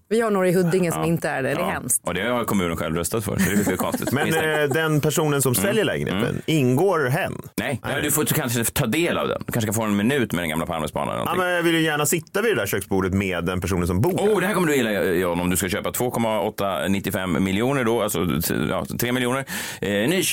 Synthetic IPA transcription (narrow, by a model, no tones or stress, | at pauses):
vɪhaɳoːɾaɪɦɵd̪ːɪŋəsɔmɪnt̪əæɖɛd̪ɛhɛmst̪ɔd̪ɛhajakʰɔmʉ̟ːnənɧɛ̰lvɾœst̪at̪fœ̰ɾsɔd̪ɛʏɾkakʰɔnst̪ɪ̥̰t̪mɛnd̪ɛnpʰæʂuːnənsɔmsɛljəɭɛːɡənḛːt̪ə̰nɪnɡoːɾɦɛnːnɛjɛd̪ɵfokʰanʂ̬ɪt̪ːt̪ʰɑːd̪eːla̰vd̪ɛ̰nd̪ɵkʰanʂəkanfoːɛnmɪnʉ̟ːt̪mɛd̪ɛnɡamlapʰaɾmɛsbɑ̰ːna̰nɛ̰nɔ̰mɛnjɑvɪljɵjæːɳasɪt̪ːavɪd̪ɛd̪æːɾɕøːksbuːɖət̪meːd̪ːɛnpʰæʂ̬uːnnsɔmbuːd̪ɛhæɾkɔməɖɵjɪlːaɪhɔnːɔmd̪ɵskaɕøːpat̪ʰv̥oːkʰɔmːaɔt̪ːanɪt̪ːɪfɛmːɪlɪuːnəɖɔalsɔjɑ̰ːt̪ʰɾeːmɪljuːnəɾ | nyː